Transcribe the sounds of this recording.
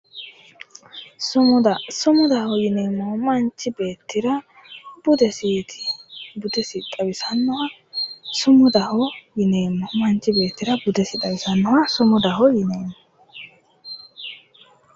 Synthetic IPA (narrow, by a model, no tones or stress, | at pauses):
sʊmd̪ɐsʊmʊd̪ɐhɔjɪne̞ːmːɔmɐnt͡ʃːɪbeːt̪ʰːɪɾɐ | b̥ʊd̪ɛsiːt̪ʰɪ̥bʊd̪ɛsɪt̪ʼɐbɪsɐnːɔhɐ | sʊmʊd̪ɐhɔjɪneːmːɔmɐnt͡ʃːɪbe̞ːt̪ːɪɾɐbʊd̪ɛsɪt̪ʼɐbɪsɐnːɔwɐsʊmɔd̪ɐhɔjɪne̞ːmːɔ